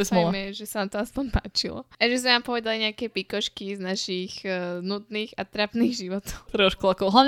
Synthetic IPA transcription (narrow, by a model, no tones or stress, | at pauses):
ɛsmɔmɛʒɛsanat̪ɔaspɔɲpaːt͡ʃilɔ̰aʒɛzmɛnaːmpɔʋɛd̪aliɲɛakɛpikɔʃkiznaʃiɣnud̪niːɣat̪ɾapniːɣʒiʋɔt̪ɔʊt̪ɾɔʃkuakɔɦlaʋɲ